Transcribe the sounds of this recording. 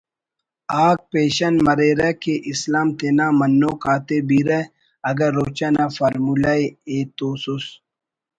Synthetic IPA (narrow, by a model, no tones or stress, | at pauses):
aːk̚peːɕɐnmɐɾeɾɛkeʔislaːmt̪eːnaːmɐnːoːkaːt̪ebiɾɛ | ɐɡɐɾːoːt͡ɕanafɐɾmulaeeːt̪oːsus